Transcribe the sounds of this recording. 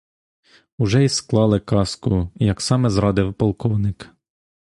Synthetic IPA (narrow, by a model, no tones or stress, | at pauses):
ʊʒɛisklˠɑlˠɪkɑskʊjɐksɑmɛzɾɑd̪ɪwpɔlˠkɔwnɪk